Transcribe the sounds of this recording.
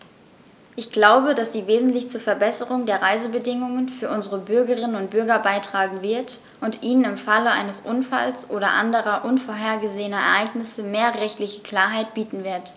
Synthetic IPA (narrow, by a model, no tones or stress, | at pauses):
ʔɪçɡ̥laʊbədasz̥iːveːzn̩tlɪçt͡suːɐfɛɐbɛsəʁʊŋdeːɐʁaɪzəbədɪŋʊŋənfyːɐʔʊnzəʁəbʏɐɡəʁɪnənʊnt̚b̥ʏɐɡɐbaɪtʁ̥aːɡŋ̩vɪɐt | ʔʊntʔiːnənɪmfaləʔa̰ɪnəsʔʊnfa̰lsʔoːɾɐʔa̰ndəʁɐʔʊnfoːɐɦeːɐɡəzeːənɐɛ̰ɐʔaɪɡnɪsəmeːɐʁɛçtlɪçəkʰl̥aːɐɦaɪt̚b̥iːtn̩vɪɐt